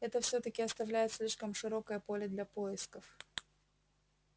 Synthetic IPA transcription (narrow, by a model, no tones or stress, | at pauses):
ɛt̪əfsʲot̪əkʲɪɐst̪ɐvlʲæjɪt̪sʲlʲiʂkəmʂɨɾo̞kəjəpo̞lʲɪd̪lʲɐpo̞ɪskəf